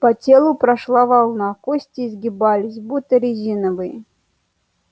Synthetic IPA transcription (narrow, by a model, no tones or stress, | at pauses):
pɐtʲelˠʊpɾɐʂlˠavɑlˠnakosʲtʲɪːzɡʲɪbalʲɪs̬ʲbut̪ːəɾʲɪzʲinəvɨjɪ